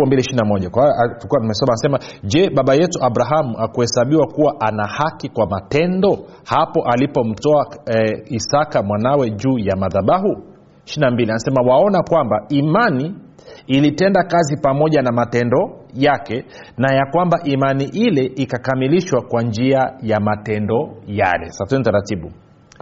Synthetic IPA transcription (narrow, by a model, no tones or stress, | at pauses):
mbiliʃiinamɔʄakwawaatukuaumɛsɔmanasɛmaʄɛɓaɓajɛtuʔaɓɾaɦamuʔakuhɛsaɓiwakuwaʔanahakikwamatɛndɔ | hapɔʔalipɔm̩tɔaisakamwanawɛʄuːjamaðaɓaɦu | ʃinambilianasɛmawaɔnakwambaimaniː | litɛndakazipamɔʄanamatɛndɔjakɛ | najakwambaʔimaniʔilɛʔikakamiliʃwakwand͡ʒiajamatɛndɔja̰lɛ̰satɛnitaɾatiɓṵ